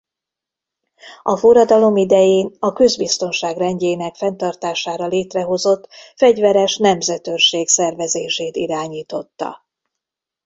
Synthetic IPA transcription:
ɒforɒd̪ɒlo̞mid̪ɛjeːnɒkø̞zbist̪o̞nʃaːɡrɛɲɟeːnɛkfɛnt̪ɒrt̪aːʃaːɾɒleːt̪rɛɦo̞zo̞t̪ːfɛɟvɛɾɛʃnɛmzɛt̪ørʃeːksɛrvɛzeːʃeːt̪iɾaːɲiːt̪o̞t̪ːɒ̰

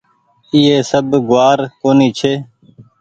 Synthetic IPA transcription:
iːeːsəbɡʊaːɾkoːniːt͡ʃʰeː

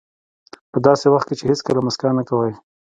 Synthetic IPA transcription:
pəd̪ɑsewaxt̪̚ket͡ʃeheskəlamʊskanːakawaj

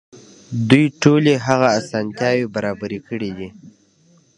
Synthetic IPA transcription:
d̪ujʈoleɦaɣaːsɑnt̪jɑwebaɾɑbaɾikəɽid̪i

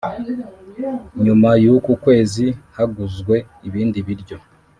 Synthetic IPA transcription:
ɲumajukukwe̞ːzihaɡuzɡwe̞ | iβiːndiβiɾɟo̞

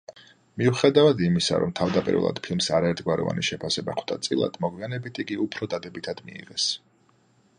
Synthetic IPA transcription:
miuχɛd̪avad̪imisa̰ɾɔ̰mt̪ʰavd̪apʼḭɾvɛ̰lˠa̰d̪̥pʰilˠmsaɾaɛɾt̪ʰɡwaɾɔ̰va̰niʃɛpʰasɛba̰χʰwt̪ʰat̪sʼilˠa̰d̪̥mɔɡwianɛbit̪ʰikʼiupʰɾɔd̪ad̪ɛbit̪ʰad̪̥miiʁɛs

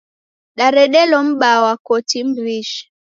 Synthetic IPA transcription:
ɗaɾɛɗɛlɔm̩ɓawakɔtim̩bɾiʃ

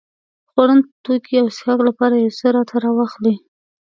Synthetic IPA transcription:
xwaɽənt̪okʰiawsxɑklapɑɾajesəɾɑt̪ʰaɾɑwaxli

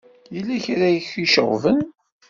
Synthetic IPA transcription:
jilːæçɾæjəçiʃəʁvən

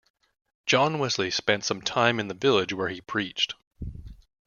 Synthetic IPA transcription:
d̥ʒ̥ɑ̃nwɪzlispɛ̃ntsʌ̃mtʰãɪ̃mɨ̃nðɨvɪlˠɪd͡ʒwə˞ipʰɹ̥it͡ʃt̚

